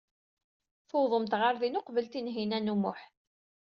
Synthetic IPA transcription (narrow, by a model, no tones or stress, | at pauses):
θowðˤəmt̪ʁaɾðinʊqvəlt̪inɦinænumʊħ